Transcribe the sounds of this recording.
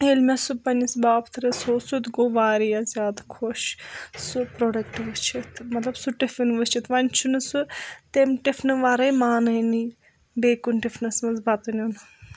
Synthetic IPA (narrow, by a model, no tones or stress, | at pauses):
elmʲɐsupɐnisbaːbt̪ʰɾɐsoːsut̪ɡoʋaːɾijɐzʲjaːd̪akʰoʃsupɾoːɖɐkʈʋɨt͡ʃʰit̪ʰmɐt̪lɐbsuʈifinʋɨt͡ʃʰit̪ʋɐnʲt͡ʃʰunɨsut̪emʈifʰnɨʋaɾɐjmaːnɐjni | beːkunʈifnɐsmɐzbɐt̪ɐnun